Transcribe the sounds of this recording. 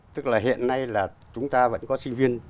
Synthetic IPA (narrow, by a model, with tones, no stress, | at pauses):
t̪ɨ˦˥k̚laː˨˩ɦḭ˧˨ənːa˧jlaː˨˩t͡ɕʊ˨˦ŋ͡mt̪aː˧və̰˧˥nkɔ˨˦sï˧ŋ̟vi˧ən